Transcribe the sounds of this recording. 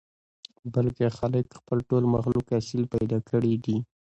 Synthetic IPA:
balkexaləkxpəlʈolmaxlukasilpajd̪ɑkʰəɽid̪i

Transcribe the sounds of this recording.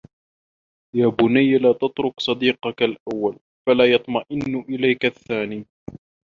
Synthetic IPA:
jaːbʊnajːlaːt̪ɑt̪ɾʊksˤɑd̪iːqɑkalʔawːal | falaːjɑt̪ˤmɑʔɪnːʔɪlajkaθːaːniː

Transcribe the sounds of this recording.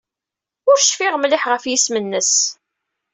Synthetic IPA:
ʊɾʃfiʁmlɪħʁəfjismənːəs

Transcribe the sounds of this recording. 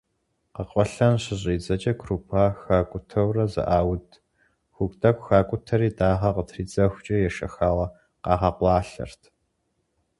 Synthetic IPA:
qəqʷʼɔɬɐnɕɪʑʼiːd͡zɐt͡ʃʼɐkʰrupʰaːxaːkʷʼʊtʰɐwrɐzɨ̰ʔaːwʊdʰ | xʷʊkʷʼtʰʼɐkʷxaːkʷʼʊtʰɐɾiːdaːʁɐqətʰriːd͡zɐxʷt͡ʃʼɐjɛʃɐ̰xaːʁɐ | qɑːʁɑqʷɑːɬɐ̰rtʰ

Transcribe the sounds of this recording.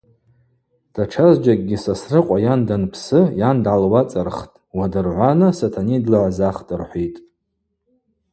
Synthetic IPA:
d̥aʈ͡ʂʰazd͡ʒak̚ʼɡʲisasrɨqʷʼajandanpʰsɨjandʕalwat͡sʼarχtʼwadɨrʕʷanasatʰanidlaʕʷzaχtʼɨrħʷijtʼ

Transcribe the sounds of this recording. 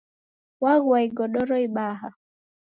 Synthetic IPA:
waɣwaiɡɔɗɔɾɔiɓaːɦa

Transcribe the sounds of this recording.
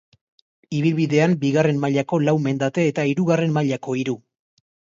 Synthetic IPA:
iβilβiðe̞ambiɣare̞nmaʎako̞lawme̞nd̪at̪e̞ːt̪aiɾuɣare̞mmaʎako̞iɾu

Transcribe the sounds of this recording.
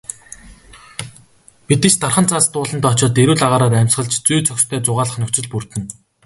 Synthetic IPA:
pit̪ɘ̆t͡ɕt̪arχə̆nt͡sʰaːst̪ʊːɮə̆nt̪ɔt͡ɕɔːt̪eɾuːɮaʁaːɾaːt̪æmʲsχə̆ɮt͡ɕt͡sujt͡sʰœkst̪ʰœːt͡sʊʁaːɮə̆χnʊkʲt͡sɪ̆ɮpur̥t̪ɘ̆n

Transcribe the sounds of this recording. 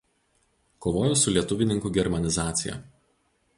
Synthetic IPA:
koːʋoːjʊsʊlʲiɛt̪ʊʋʲɪnʲɪŋkuːˑɡʲɛɾmɐnʲɪzɑːt̪sʲɪjɛ̰

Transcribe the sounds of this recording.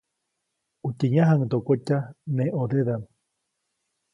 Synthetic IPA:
ut̪eɲãɦaŋt̪okot͡ʃanẽʔoðeðan

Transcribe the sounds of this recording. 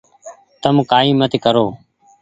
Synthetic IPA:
t̪əmkaːĩːmət̪ʰiːkəɾoː

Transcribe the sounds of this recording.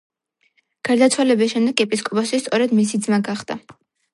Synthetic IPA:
ɡ̥aɾd̪at̪sʰwalɛbisʃɛmd̪ɛɡɛpʼiskʼɔpʼasist̪sʼɔɾɛd̪mis̬id̪zmaɡaχd̪a

